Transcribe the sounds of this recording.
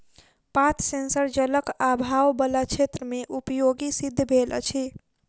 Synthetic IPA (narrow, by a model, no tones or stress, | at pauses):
pat̪ʰsensəɾd͡ʒələkabʱawbəlat͡ʃʰet̪ɾəmeʔupjoɡisid̪ʱːbʱel̰t͡ʃʰi